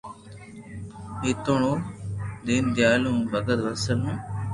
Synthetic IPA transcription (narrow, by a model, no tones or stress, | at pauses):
iːt̪oɳoːd̪iːnd̪ɪjaːlũːbəɡəd̪ʋəsənũː